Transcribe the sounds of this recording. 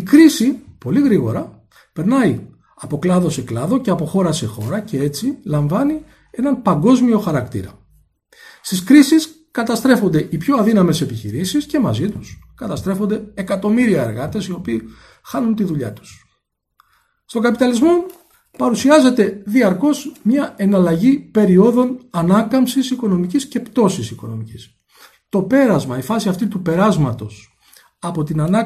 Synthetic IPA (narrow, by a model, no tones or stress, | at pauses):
ikɾisipo̞liɣɾiɣo̞ɾɐ | pe̞ɾnɐi | ɐpo̞klɐðo̞se̞klɐðo̞ce̞ɐpo̞xo̞ɾɐse̞xo̞ɾɐce̞e̞t͡silɐɱvɐni | e̞nɐnpɐŋɡo̞zmio̞xɐɾɐkt̪ḭɾɐ̰ | st̪iskɾisis | kɐt̪ɐst̪ɾe̞fo̞nd̪e̞ʔipço̞ɐðinɐme̞se̞piçḭɾisisce̞mɐ̰zit̪uskɐt̪ɐst̪ɾe̞fo̞nd̪e̞ekɐt̪o̞miɾiɐeɾɣɐt̪e̞sio̞piː | xɐnunt̪iðuʎɐ̰t̪u̥s | st̪o̞ŋɡɐpit̪ɐlizmo̞ | pɐɾusiɐze̞t̪e̞ðiɐɾko̞zmɲɐe̞nɐlɐʝipe̞ɾio̞ðo̞nɐnɐkɐmsisiko̞no̞micisce̞pt̪o̞sisiko̞no̞̰micis | t̪o̞pe̞ɾɐzmɐifɐsiɐft̪it̪upe̞ɾɐzmɐt̪o̞s | ɐpo̞t̪inɐnɐ